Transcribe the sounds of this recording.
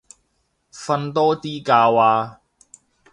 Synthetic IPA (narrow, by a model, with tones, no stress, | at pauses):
fɐ˧nt̪ɔː˥t̪iː˥kaː˧waː˧